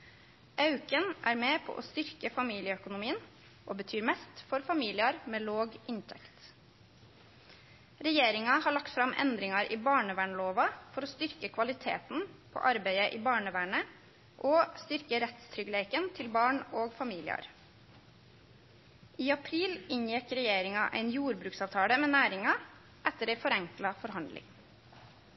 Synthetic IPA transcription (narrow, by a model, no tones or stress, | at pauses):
ʔɑʉkənʔæːɾmeːpʰo̰ʔo̰ːst̪ʏɾkəfɑmiːlɪəœkʊnʊmiːən | ʔoːbət̪ʰyːɾmɛst̪fɔɾfɑmiːlɪɑɾmeːloːɡʔɪnt̪ʰɛ̰kt̪ | ɾɛjeːɾɪŋɑhɑːɭɑkt̪fɾɑmʔɛ̰nd̪ɾɪŋɑɾʔiːbɑːɳəʋæːɳəloːʋɑfɔɾoːst̪ʏɾkəkʰʋɑlɪt̪ʰḛːt̪n̩pʰo̰ːʔɑɾbæɪəʔiːbɑːɳəʋæːɳə | ʔoːst̪ʏɾkəɾɛt̪st̪ʰɾʏɡəleɪkənt̪ʰɪlbɑːɳoːɡfɑmiːlɪ̰ɑ̰ɾ | ʔiːɑpʰɾiːlɪɲjɛkɾɛjeːɾɪŋɑʔæ̰ɪnjuːɾbɾʉːksɑːʋt̪ʰɑːɽəmeːnæːɾɪŋɑ | ʔɛt̪əɾæɪfɔɾɛŋklɑfɔɾhɑnd̪lɪ̰ŋ